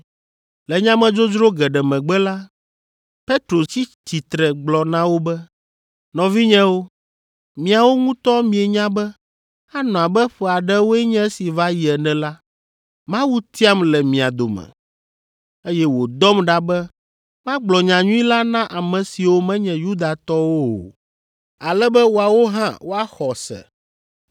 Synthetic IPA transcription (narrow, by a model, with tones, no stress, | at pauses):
lɛ˨ɲã˦mɛ̃˨d͡ʒo˦d͡ʒɾo˦ɡɛ˨ɖɛ˨mɛ̃˨ɡ͡bɛ˦la˦ | pe˦t̪ɾo˨t͡ɕi˦t͡ɕi˨t̪ɾɛ˨ɡ͡blɔ˨nã˦wo˦bɛ˦ | nɔ̃˨vi˦ɲɛ̃˦wo˦ | mĩ˨a˨wo˦ŋũ˦t̪ɔ˦mĩ˨e˨ɲã˦bɛ˦ | a˦nɔ̃˨a˨bɛ˦ɸɛ˨a˨ɖɛ˦wo˦ɛ˦ɲɛ̃˦si˨va˦ji˨ɛ˨nɛ̃˨la˦ | mã˦wu˦t̪i˦a˦mlɛ˨mĩ˨a˨d̪o˨mɛ̰̃˨ | e˦jɛ˦wo˨d̪ɔ˦mɖa˦bɛ˦ | mã˦ɡ͡blɔ˨ɲã˨ɲũ˦i˦la˦nã˦ʔa˨mɛ̃˨si˨wo˦mɛ̃˦ɲɛ̃˨ju˦d̪a˨t̪ɔ˦wo̰˦˨ | a˨lɛ˦bɛ˦wo˨a˨wo˦ɦã˦wo˦a˦xɔ˨sɛ̰˨